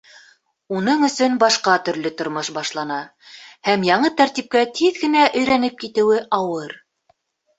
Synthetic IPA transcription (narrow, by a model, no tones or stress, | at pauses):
unɤɴɵ̆sɵnbɑʃqɑt̪ɵ̆ɾlɵt̪ŏɾmoʃbɑʃlˠɑnɑ | hæmjɑɴɤt̪æɾt̪ip̚kæt̪ʰiðɡɘ̆næʔɵ̆jɾænɘp̚kit̪ɘ̆wɘʔɑwɤɾ